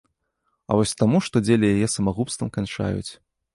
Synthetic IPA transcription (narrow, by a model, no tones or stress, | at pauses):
ɐ̰vɔsʲt̪amuʂt̪ɔd͡zʲelʲijajɛsɐmaɣupst̪vɐmkant͡ʂa̰jṵt͡sʲ